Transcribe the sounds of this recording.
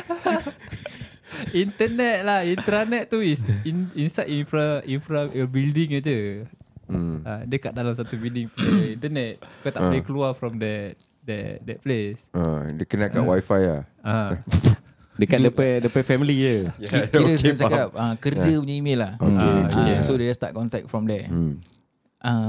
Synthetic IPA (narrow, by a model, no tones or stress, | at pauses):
int̪ənɛt̪̚lahint̪ɾanɛt̪̚t̪ːuisininst̪adinfɾaʔinfɾaəbildiŋəd͡ʒu | adəkaʔ̚dalams̬at̪ubildiŋfĩnt̪ənɛt̪̚ikot̪aʔplekəluafɾɔmdɛt | dɛdɛt̚plesʔadəkənaka̰ʔwajfaja̰ã | dəkadəpɛdəpɛfɛmilijəiiɾəskant͡ʃakap̚akərjd͡ʒəpuɲəimelːahokekesoded͡ʒast̪a̰ʔ̚kɔnt̪ɛk̚fɾɔ̃mdɛ | ʔa